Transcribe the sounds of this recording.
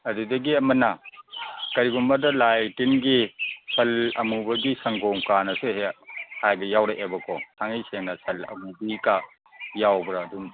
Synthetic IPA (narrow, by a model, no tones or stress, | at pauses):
ɐdudɐɡiɐmɐnːɐ | kɐɾiɡumbɐdɐlajtinɡisʰɐlɐmubɐɡisɐŋɡɔmkanɐsuɦehajbɐjawɾeʔebɐkʰɔsʰaŋijseŋnɐsʰɐlɐ̰mubika | jawbɾaːdum